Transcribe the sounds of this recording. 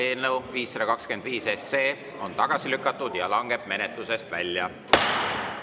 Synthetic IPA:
e̞ːlnewviːsːɑd̪ɑkɑkske̞nd̪viːse̞seː | o̞nt̪ɑɡ̥ɑsilykːˑɑt̪ːˑud̪̥jɑlɑŋɡ̥e̞b̥̚me̞net̪luse̞st̪væ̰lʲjɑ

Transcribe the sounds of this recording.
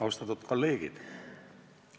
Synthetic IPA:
ɑust̪ɑt̪ːut̪kolːeːɡ̥ḭd̪̥

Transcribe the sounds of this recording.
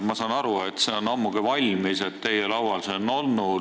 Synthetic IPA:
mɑsɑːnɑɾue̞t̪seonɑmːukivɑlʲmise̞t̪t̪e̞jelɑwwɑlseonːolnu

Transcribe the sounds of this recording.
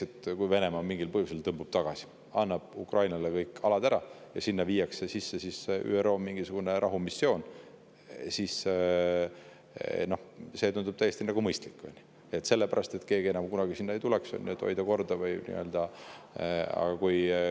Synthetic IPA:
et̪kujve̞ne̞mɑmiŋɡ̥ilpɤhjuselt̪ɤmbub̥t̪ɑɡ̥ɑsi̥ | ɑnːɑb̥̚ukrɑjnɑlekɤjkːˑɑlɑd̪̥æɾɑ | jɑsinːɑviːjːɑksesisːesisy̰ːero̞ːmiŋɡ̥isuɡ̥uneɾʔɑɦumisːo̞ːn | sis | no̞hse̞t̪und̪ub̥̚t̪æjːˑe̞st̪inæɡ̥umɤjst̪likːo̰nʲːi̥ | e̞t̪ːˑse̞lːepæɾɑst̪e̞t̪ke̞ːɡie̞nɑmkunɑɡ̥isinːɑejt̪ulekso̰nʲːet̪ʰo̞̰jd̪̥ɑko̞rd̪̥ɑvɤjnḭø̞ld̪̥ɑ | ɑ̰ɡɑkuj

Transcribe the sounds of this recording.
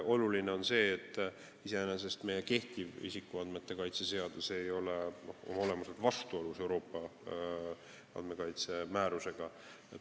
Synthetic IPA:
o̞lulineo̞nse̞ːt̪ːˑ | ise̞enes̬e̞st̪me̞je̞ke̞ht̪ivḭsikːuɑnd̪me̞t̪ːe̞kɑjt̪se̞se̞ɑd̪̥use̞jo̞le̞noho̰mɑo̞le̞mɑset̪vɑst̪uo̞luse̞wɾo̞ːpːˑɑ | ɑ̰nd̪̥me̞kɑjt̪se̞mæːɾuse̞ɡ̥ɑ | e

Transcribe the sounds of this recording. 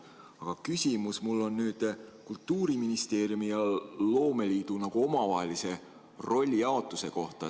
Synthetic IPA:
ɑɡ̥ɑkysʲimusmulːo̞nːyːd̪̥kult̪ːuːɾiminist̪e̞ːrjumijɑlo̞ːme̞liːd̪̥unɑɡ̥uo̞mɑvɑɦelise̞ | ro̞lʲːiɑo̞t̪ːˑuse̞ko̞ht̪ɑ

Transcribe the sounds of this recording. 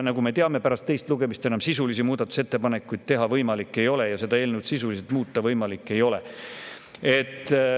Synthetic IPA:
nɑɡume̞t̪eɑme̞pæɾɑst̪e̞jst̪luɡ̥e̞mist̪e̞nɑmsisulis̬imuːd̪ɑt̪ːu̥se̞t̪ːe̞pɑne̞kːujd̪̥̚t̪e̞ɦɑvɤjmɑlikːˑe̞jo̞lejɑse̞d̪ɑe̞ːlnuwt̪sisuliselt̪muːt̪ːɑvɤjmɑlikːˑe̞jo̞le | e̞t̪ː

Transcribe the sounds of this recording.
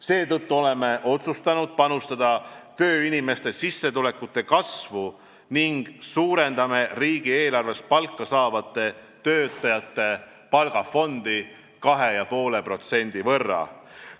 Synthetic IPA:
se̞ːt̪ɤt̪ːuo̞le̞me̞ʔo̞t̪sust̪ɑnud̪̥̚pɑnust̪ɑd̪̥ɑt̪ø̞ːinime̞st̪e̞sisːe̞t̪ulekːut̪ːˑe̞kɑsvu | niŋɡ̥suːɾe̞nd̪̥ɑme̞riːɡ̥ie̞ːlɑrve̞spɑlkˑːɑsɑːvɑt̪ːˑe̞ | t̪ø̞ːt̪ːˑɑjɑt̪ˑːe̞ | pɑlɡ̥ɑfo̞nd̪̥i | kɑɦe̞jɑpo̞ːle̞pro̞t̪se̞nʲd̪̥ivɤrːɑ̰

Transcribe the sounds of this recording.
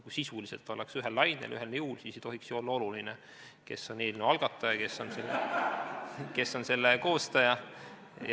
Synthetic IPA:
kujsisuliselt̪ːˑo̞leksyɦelːɑjnḛlʔy̰ɦelneulsiːset̪o̞ɦiksjoo̞lːɑo̞luline | ke̞sːo̞ne̞ːlnuɑlɡ̥ɑt̪ːˑɑjɑke̞sːo̞nselː | ke̞sːo̞nse̞lːeko̞ːst̪ɑjɑ

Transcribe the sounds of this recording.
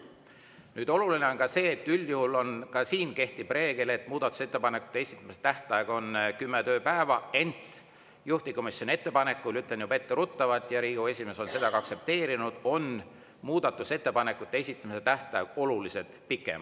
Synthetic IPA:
nyːd̪̥o̞luline̞o̞nkɑse̞ːt̪ːylʲjuhulo̞nkɑsiːnke̞ht̪ib̥re̞ːɡ̥ele̞t̪ːˑmuːd̪̥ɑt̪ːˑu̥se̞t̪ːe̞pɑne̞kːˑu̥t̪ːˑeesit̪ːˑɑmise̥t̪æht̪ˑɑjeɡ̥o̞nkymːet̪ø̞ːpæevɑe̞nt̪ˑ | juht̪iko̞misʲjo̞nie̞t̪ːe̞pɑne̞kːˑulyt̪lenjubɑe̞t̪ːeɾut̪ːɑvɑt̪ˑjɑɾiːɡue̞sʲime̞so̞nse̞d̪ɑɡɑɑkse̞p̚t̪e̞ːɾinud̪̥o̞n | muːd̪̥ɑt̪ːˑuse̞t̪ːe̞pɑne̞kːˑut̪ːˑeesʲit̪ːˑɑmise̞t̪æht̪ˑɑjeɡ̥o̞luliset̪pikːˑḛm

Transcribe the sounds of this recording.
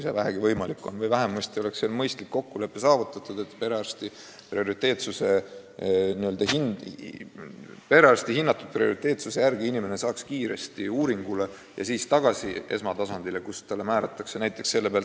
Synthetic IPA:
isevæɦeɡ̥ivɤjmɑlikːˑo̞nvɤjvæɦemːust̪io̞lekseːlmɤjst̪likːo̞kːule̞pːe̞sɑːvut̪ːˑɑt̪ˑud̪̥e̞t̪ːpe̞ɾeɑrst̪i | pɾio̞ɾit̪ːˑe̞ːt̪suse̞ | niø̞ld̪̥ɑhin | pe̞ɾeɑrst̪iɦinːɑt̪ːud̥̪̚prio̞ɾit̪ˑe̞ːt̪suse̞jærɡ̥iinime̞ne̞sɑːkskiːɾe̞st̪iuːɾiŋɡ̥ule̞ | jɑ̰siːst̪ɑɡ̥ɑsie̞̰smɑt̪ɑsɑnd̪̥ilekust̪ɑlːe̞mæːɾɑt̪ːˑɑkse̞næjt̪ːˑe̞kse̞lːe̞peɑlt̪

